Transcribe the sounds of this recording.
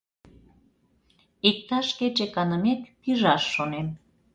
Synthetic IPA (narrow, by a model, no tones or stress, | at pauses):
ik̚t̪ɑʃket͡ɕekɑnəmet̪piʒɑʃːonem